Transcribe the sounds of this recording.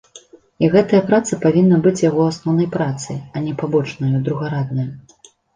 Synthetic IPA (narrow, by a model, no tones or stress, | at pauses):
iɣɛt̪ɐjɐpɾat̪sɐpavʲinːɐbɨt͡sʲjaɣɔasnɔwnɐjpɾat̪sɨ̰ɐnʲɛpabɔt͡ʂnɐjud̪ɾuɣaɾad̪̚nɐj